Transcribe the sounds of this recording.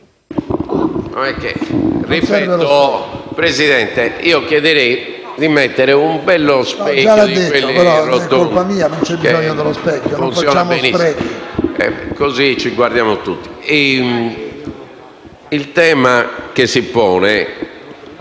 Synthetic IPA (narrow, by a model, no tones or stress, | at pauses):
nɔ̰nɛkːḛripɛːt̪ɔpɾeziðɛnt̪ɛiːɔkjɛðɛɾej | d̪imɛt̪ːɛɾɛumbɛlːɔspɛad̪iewelːipɾot̪ːoolnpamiːanont͡ʃɛbizɔɲːɔðɛlospɛkːɔnfunfsjɔːnambenissɾeɛ̰kozit͡ʃːiɡwaɾd̪jaːmot̪ut̪ːi̥ɛm | ilt̪ɛːmakesipɔːnɛ